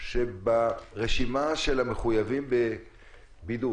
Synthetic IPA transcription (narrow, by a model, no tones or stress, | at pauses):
ʃebaʁeʃimaʃelameχujavimbe | bidu